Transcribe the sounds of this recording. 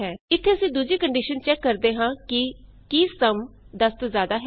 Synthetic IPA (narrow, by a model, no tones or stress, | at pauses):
ɦɛːɪt̪ʰːeːəsĩːd̪uːd͡ʒiːkəɳɖiːʃənt͡ʃɛːkːəɾd̪eːɦãːkɪ | kisəmd̪əst̪oːzjaːd̪aːɦɛ